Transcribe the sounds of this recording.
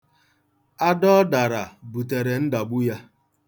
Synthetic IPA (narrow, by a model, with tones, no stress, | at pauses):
a˦dɔ˦da˨ɾa˨bu˨te˨ɾe˨n̩˦da˨ɡ͡bu˦ja˦